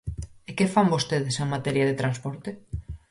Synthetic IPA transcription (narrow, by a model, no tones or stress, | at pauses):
ekefambost̪eðɪseŋmat̪ɛɾjɐðet̪ɾanspɔɾt̪e